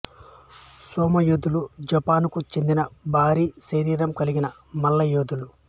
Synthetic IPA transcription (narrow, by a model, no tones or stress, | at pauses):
soːmɐjud̪ulud͡ʒɐpaːnkut͡ʃe̞nd̪inɐbʱaːɾiːseɾiːɾɐmkɐliɡinɐ | mɐlːɐjod̪ulu